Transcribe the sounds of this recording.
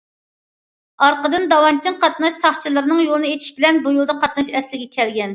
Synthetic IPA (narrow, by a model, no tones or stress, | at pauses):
ɑɾqəd̪ɨnd̪ɑwɑnt͡ʃʰiŋqɑt̪nɑʃsɑχt͡ʃʰilˠɨɾɨnɨŋjolˠɨnɨet͡ʃ̪ʰi̥ʃbɪlɛnbujulˠd̪ɑqʰɑt̪̚nɑʃɛslɪɡʲɛkʲʰɛlɡʲɛn